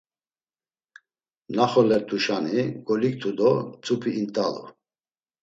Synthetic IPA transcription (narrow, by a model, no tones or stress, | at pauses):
naχɔlɛɾt̪ʰʼuʃaniɡɔlik̚t̪ʰud̪ɔt͡sʼupʰiːnt̪ʼalɔ̰